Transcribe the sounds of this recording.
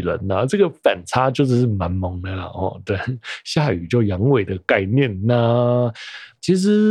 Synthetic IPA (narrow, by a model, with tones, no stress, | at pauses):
lə̰˧˦nə˧ʈ͡ʂɤ˥˩ɡə˨˩fa̰˨˩nt͡sʰa˥t͡ɕjo˥˧ʊʂ̩˥˧˦ʂ̬ɻ̩˥˩ma˧˦nmɤ˨˦ŋd̪ə˧lə̰˩xɔ̰˥˧˩t̪we˥˩ɪɕja˥˨˩y̰˨˩t͡ɕjo˥˩ʊjɑ˧˥ŋwe˨˩ɪd̪ə˩ka˥˧ɪnjɛ˥˩nnə˧˩ | t͡ɕʰi˧˥ʂ̬ɻ̩˧˦˥